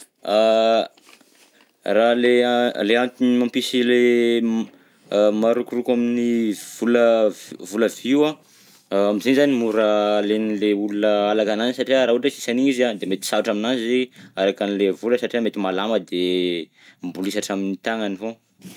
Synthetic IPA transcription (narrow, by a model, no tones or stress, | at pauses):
a | raleleant̪inimampisile | maɾukurukaminiv̥uləvuləviwa | amizenizanimuɾalenileulunəalakananisaʈ͡ʂiəɾaɦuʈ͡ʂesi̥saniizad̪emet̪i̥saaʈ͡ʂaminazziaɾakanilevuləsaʈ͡ʂiamet̪imalaməd̪e | mbulisaʈ͡ʂaminit̪aŋanivo